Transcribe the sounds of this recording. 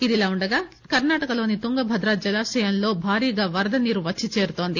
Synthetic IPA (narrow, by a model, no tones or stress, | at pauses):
id̪ilaːuɳɖɐɡaː | kɐɾnaːʈɐkɐlo̞ːnit̪uŋɡɐbʱɐd̪ɾaːd͡ʒɐlaːsɛjɐnlo̞ːbʱaːɾiːɐɡaːʋɐɾd̪ɐniɾuʋɐt͡ʃːt͡ʃːit͡ʃe̞ːɾut̪o̞ːnd̪i